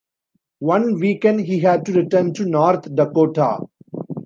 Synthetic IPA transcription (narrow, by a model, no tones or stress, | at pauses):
ʋʌ̃nʋiːkɛ̃ɳɖɦiːɦæɖ̚ʈuɾɪʈəːnʈunɔːɾt̪ʰɖɐkoːʈʰa̰ː